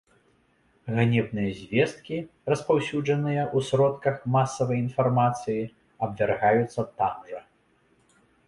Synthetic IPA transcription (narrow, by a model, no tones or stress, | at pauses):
ɣanʲɛbnɨjɐzʲvʲɛst̪̚kʲi | rɐspawsʲud͡ʐɐnɨjɐʔusɾɔt̪kɐxmasːɐvɐjinfarmat̪sɨji | ɐbvʲarɣajut̪sːɐt̪amʐɐ